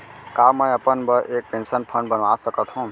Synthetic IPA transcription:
kaːmə̃jəpənbəɾʔeːk̚pẽnsənpʰə̃ɳɖbənʋaːsəkət̪ɦũː

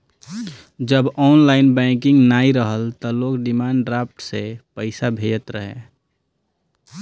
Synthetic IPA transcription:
d͡ʒəbɔːnlaːɪnbɛ̃kɪ̃ŋɡnaːiɾəɦəlt̪ɔloːɡɖɪmaːɳɖɖɾaːp̚ʰʈsepəɪsabʱed͡ʒət̪ɾəɦḛ̃

